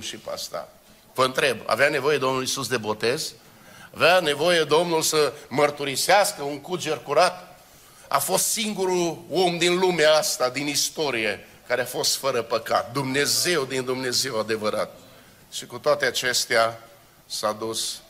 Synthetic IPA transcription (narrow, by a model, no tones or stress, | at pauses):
ʃipa̰st̪a̰ | vəɨnt̪ɾe̞ba̰veane̞vo̞je̞d̪omnulisusd̪e̞bo̞t̪e̞z | aveane̞vo̞je̞d̪o̞mnulsəmərt̪uɾiseaskəuŋkud͡ʒerkuɾat̪ | a̰fo̞st̪siŋɡuɾuo̞md̪inlumeaast̪ad̪inist̪o̞ɾije̞ | kaɾeafo̞st̪fəɾəpəka̰t̪̚d̪umne̞ze̞wd̪ind̪umne̞ze̞wad̪e̞vəɾat̪̚ | ʃikut̪oat̪eat͡ʃe̞st̪ea | sad̪us